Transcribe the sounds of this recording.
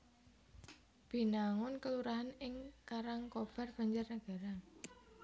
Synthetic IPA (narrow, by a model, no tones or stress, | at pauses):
b̥i̤naŋʊnkəluɾaɦanɪŋkaɾaŋkob̥a̤rb̥a̤ɲd͡ʒarnəɡ̥a̤ɾa